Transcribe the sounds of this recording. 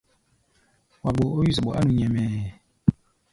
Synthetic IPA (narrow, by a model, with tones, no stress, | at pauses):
wa˨ɡ͡bo˨o˦ji˦s̬a˨ɓɔ˨ʔa˦nũ˨ɲɛ˨mɛː˨